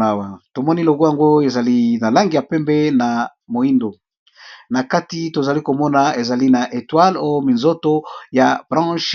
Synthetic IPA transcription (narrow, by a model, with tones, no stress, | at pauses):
a˨˦wa˨to˨mɔ˦ni˦lo˨ɡo˦ja˨ŋɡo˦e˨za˨li˦na˨la˦ŋɡi˨ja˨pɛ˦mbɛ˦na˨ | mo˨i˦ndo˨ | na˨ka˦ti˦to˨za˨li˦ko˨mɔ˦na˨e˨za˨li˦na˨ʔe˨twa˦lo˦jo˦mi˨nzo˦to˦ja˨b̥ʁɑ̃˦ʃ